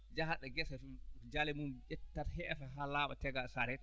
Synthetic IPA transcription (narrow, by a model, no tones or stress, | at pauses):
d͡ʒahaɗɛɡɛsad͡ʒalɛmumʔɛtːaɾɦɛʔɛfaɦalaːɓatɛɡasaɾɛt